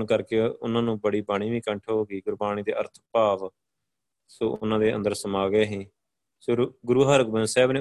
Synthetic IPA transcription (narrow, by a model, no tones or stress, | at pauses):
nkəɾkeːʊnãːnũːbəɽiːbaːɽ̃iːʋiːkəɳʈʰɦoːɡiːɡʊɾbaːñiːd̪ḛːʔə̰ɾt̪ʰpaːʋ | soːʔʊnãːd̪eːə̰nd̪əɾsəmaːɡeːɦĩː | soɡʊɾuːɦəɾəɡbə̃nsɛːbneː